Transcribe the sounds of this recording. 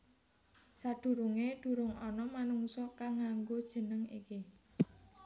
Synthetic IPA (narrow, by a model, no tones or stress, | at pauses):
sad̪̥ṳɾuŋed̪̥ṳɾʊŋɔnɔmanuŋsɔkaŋaŋɡod̥ʒ̥ə̤nəŋḭki